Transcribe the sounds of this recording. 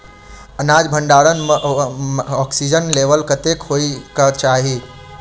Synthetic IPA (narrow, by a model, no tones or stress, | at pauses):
ənad͡ʒbʱəɳɖaɾən | ɔksid͡ʒənleʋəlkət̪ekɦoikət͡ʃaɦi